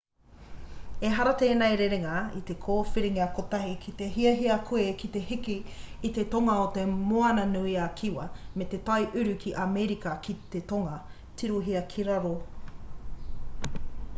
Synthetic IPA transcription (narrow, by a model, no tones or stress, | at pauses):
eɦɐɾɐt̪eːnajɾeɾeŋɐit̪ekʰoːfiɾiŋɐkot̪ɐɦikʰit̪e̞ɦiɐɦiɐkʰuekit̪e̞ɦikiːt̪et̪oŋɐot̪emoɐnɐnuiakʰiwɐmet̪et̪ɐjʔʉɾʉkʰiʔameɾikɐkʰit̪et̪oŋɐ | t̪iɾuɦiɐkʰiɾaɾo